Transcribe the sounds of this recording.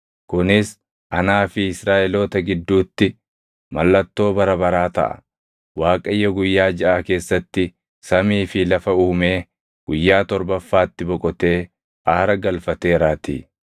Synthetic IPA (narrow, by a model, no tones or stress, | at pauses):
kʊnɪs | ʔɐnaːfɪɪsɾaːʔɛlo̞ːt̪ɐɡɪd̪ːuːt̪ːɪ | mɐlːɐt̪ːo̞ːbɐɾɐbɐɾaːt̪ɐ̰ʔɐ̰ | waːkʼɐjːɐɡʊjːaːd͡ʒɐʔaːke̞ːsːɐt̪ːɪ | sɐmiːfɪlɐfɐuːme̞ː | ɡ̥ʊjːaːt̪ɔɾbɐfːaːt̪ːɪbɔkʼɔt̪e̞ː | aːɾɐɡɐlfɐt̪e̞ːɾaːt̪ḭː